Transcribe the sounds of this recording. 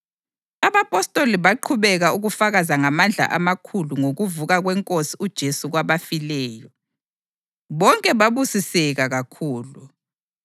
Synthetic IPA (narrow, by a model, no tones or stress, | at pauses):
aβapʼɔstʼoliβaǃʰuβɛɣauɣufaɣazaŋamand͡ɮʱa̰ʔa̰makʰuluŋoɣuvuɣaɣwɛŋkʼosiud̥ʒ̥ʱesuɣwaβafilɛːjɔ | βɔŋkʼɛβaβusisɛɣaɣakʰuːlu